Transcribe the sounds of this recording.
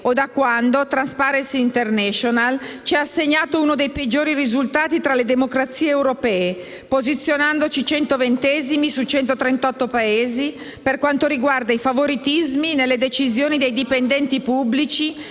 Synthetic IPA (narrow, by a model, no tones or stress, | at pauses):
od̪akːwand̪ot̪ɾanspaɾensiːnt̪ernɛʃonalt͡ʃiaasːeɲːaːt̪ounod̪ejped͡ʒːoːɾirizult̪aːt̪it̪ɾaled̪emokɾat̪sːiːeːwɾopɛːe | pozit̪sːjonand̪ot͡ʃit͡ʃɛnt̪ovent̪ɛzimisut͡ʃɛnt̪ot̪ɾent̪ɔt̪ːopaeːzi | perkwant̪oɾiɡward̪aifavoɾit̪izminelːed̪et͡ʃizjoːnid̪ejd̪ipend̪ɛnt̪ipubːlit͡ʃi